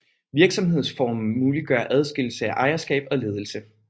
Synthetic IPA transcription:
ʋiɐɡ̥sɒ̽mhe̝ð̞̰ˠsfɒ̰ːm̩ːuːliɡ̥ɶɐʔæð̞ˠsɡ̥e̝ll̩səæʔɑ̈ɪɐsɡ̥ɛ̰ːb̥ɒ̽le̝ːð̞ˠl̩sə

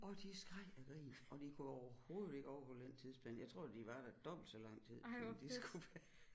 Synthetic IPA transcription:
ɒ̽d̥isɡ̥ʁɑɪ̰æɡ̥ʁḭːnɒ̽d̥ikʰuɒʊɐho̝ːð̩ˠe̝ɡ̥ɒʊfɔ̽den̰t͡sʰið̰ˠsb̥lɛ̰ːnjɑ̈ɪt͡sʰʁo̝ɐ̰d̥iʋɑ̈d̥æd̥ɒb̥l̩d̥sɒlɑ̈ŋ̰t͡sʰið̰ˠnd̥isɡ̥uʋæː

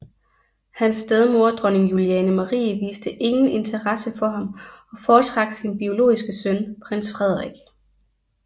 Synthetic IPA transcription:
hænsd̥eð̞ˠmo̝ɐd̥ʁɔne̝ŋjuliɛːnəmɑʁḭːʋḭːsd̥əʔe̝ŋn̩e̝nt͡sʰɐʁɑsəfɒ̽ɦɑ̈mɒ̽fɒːt͡sʰʁɑ̈ɡ̥̚d̥sinb̥io̝lo̝̰ːisɡ̥əsœnpʰʁen̰sfʁɛð̞̰ˠʁeɡ̥

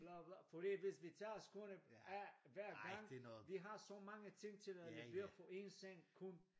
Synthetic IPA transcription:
blablafɒɾ̥ḭːʋe̝sʋit͡sʰɑ̈ːskʰɔnəæʋæɐ̰ɡ̥ɑ̈ŋ̰ʋiɦɑ̈sɒmɑ̈ŋət͡sʰe̝ŋ̰t͡sʰe̝læleeɐfɔe̝nseŋ̰kʰun

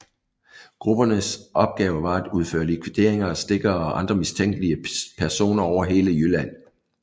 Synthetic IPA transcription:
ɡ̥ʁub̥ɐnəsʔɒ̽b̥̚ɡ̥ɛːʊəʋɑ̈æd̥uðˠfø̰ːɐlikʰʋid̥e̝ɐ̰e̝ŋɐɒ̽sd̥e̝ɡ̥ɐɒʔɑ̈nd̥ʁɐmist͡sʰeŋ̰ɡ̥əliəpʰæɐso̝̰ːnɐɒʊ̰ɐɦe̝ːləjylæn̰

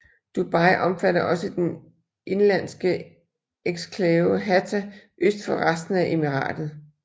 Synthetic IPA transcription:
d̥ub̥ɑ̈ɪʔɒ̽mfæɾɐʔɒ̽səd̥en | ʔe̝nlæn̰sɡ̥ə | eɡ̥skʰlɛːʊɦæt͡sʰæʔøsd̥fɒ̽ʁasd̥n̩æʔe̝miʁɑ̰̈ːd̥ð̩ˠ

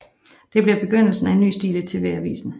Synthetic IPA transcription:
d̥e̝b̥liɐb̥e̝ɡ̥øn̰l̩sn̩æenːy̰ːsd̥ḭːlət͡sʰe̝ʋeæʋḭːsn̩

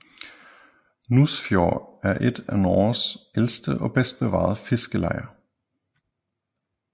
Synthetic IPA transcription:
nusfjoːæɐʔed̥ænɒːsʔelsd̥əʔɒ̽b̥esd̥̚b̥eʋɑ̰̈ːð̞̩ˠfe̝sɡ̥əlɑɪ̰ɐ

